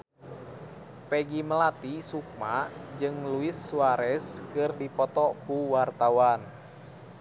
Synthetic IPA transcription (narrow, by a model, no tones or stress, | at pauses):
pɛɡiməlat̪isuk̚mad͡ʒɨŋluisːuwaɾɛskɨrdipɔt̪ɔkuwart̪awan